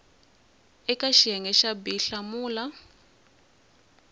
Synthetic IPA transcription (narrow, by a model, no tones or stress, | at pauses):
ɛkaʃiɛŋɡɛʃabiɬamuːla